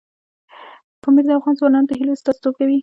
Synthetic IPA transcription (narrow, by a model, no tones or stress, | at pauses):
pomiɾd̪əafɣɑnzwɑnɑnot̪aɦilast̪ɑst̪ob̚kawi